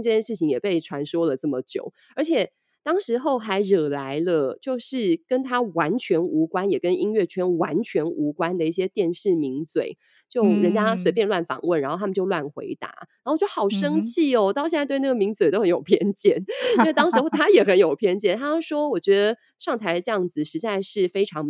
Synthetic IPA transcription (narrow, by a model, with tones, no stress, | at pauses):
t͡ɕjɛ˥˧ʂɻ̩˥˩t͡ɕʰi˧˥ŋjɛ˨˩pe˥˩ɪʈ͡ʂʰwa˧˥nʂwɔ˥lə˨t͡sə˥˩mə˩t͡ɕjo̰˨˩˦ʊ | ə˞˧˥t͡ɕʰjɛ˨˩ | t̪ɑ˥ŋʂɻ̩˧˥xo˥˩ʊxa˧˥ɪɻɤ˨˩la˧˥ɪlə˧t͡ɕjo˥˧ʊʂɻ̩˥˩kə˥nt̪ʰa˥wa˧˥nt͡ɕʰɥɛ˧˥nu˧˥kwa˥njɛ˨˩kə˥ni˥ŋɥɛ˥˩t͡ɕʰɥɛ˥nwa˧˥nt͡ɕʰɥɛ˧˥nu˧˥kwa˥nd̪ə˨i˥˩ɕjɛ˥t̪jɛ˥˧nʂɻ̩˥˩mi˧˥ŋt͡swḛ˨˩ɪ | t͡ɕjo˥˩ʊɻə˧˥nt͡ɕja˥swe˧˥ɪpjnlwa˥˩nfɑ̰˨˩ŋwə˥˩nɻa˧˥nxtʰə˨t͡ɕjo˥˧ʊlwa˥˩nxwḛ˧˥ɪt̪a̰˧˥a˧˥o˥˩t͡ɕo˥˩xɑ˨˩ʊʂɤ˥ŋt͡ɕʰi˥˩ɔ˩t̪ɑ˥˧ɕjɛ˥˧na˥˧t̪wɪna˥˩ɡə˨mi˧˥ŋt͡swe˨˩ɪto˥ʊxə˧˦njo˨˩ʊpʰjɛ˥nt͡ɕjɛ˥˩n˥˧t̪ɑ˥ŋʂɻ̩˧xo˥˧ʊt̪ʰa˥jɛ˨˩xə˧˥njo˨˩ʊpʰjɛ˥˧nt͡ɕjɛ˥˩nt̪ʰa˥˩ʂwɔ˥wɔ˨˩t͡ɕɥɛ˧˥d̪ə˨˩ | ʂɑ˥˩ŋt̪ʰa˧˥ɪə˧ʈ͡ʂɤ˧jɑ˥˩ŋd͡z̩˨˩ʂɻ̩˧˥t͡sa˥˧ɪʂɻ̩˥˩fe˥ɪʈ͡ʂʰɑ˧˥ŋ